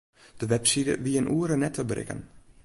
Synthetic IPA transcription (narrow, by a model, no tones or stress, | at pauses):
d̥əʋɛpsidə̰ʋiənʔuːəɾənɛtʰəbrɪ̰kə̰n